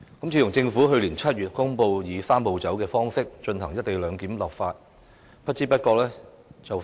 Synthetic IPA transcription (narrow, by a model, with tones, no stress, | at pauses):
kɐ˨˥mt͡sʰiː˨˧˩ʊ˨˩ŋt͡sɪ˧ŋfuː˨˥ɦɵ˧ɥliː˨˩nt͡sʰɐ˥t̚ɥyː˨˩t̚kʊ˥ŋpo˧wjiː˨˧saː˥mpo˨˧wt͡sɐ˨˥wkɛː˧fɔː˥ŋsɪ˥k̚t͡ʃɵ˧nhɐ˨˩ŋjɐ˥t̚t̪e˨˧jlœː˨˧ŋkiː˨˥mlɐ˨p̚faː˧t̚ | pʰɐ˥t̚t͡siː˥pɐ˥t̚kɔː˧k̚lɛː˥ | t͡sɐ˨w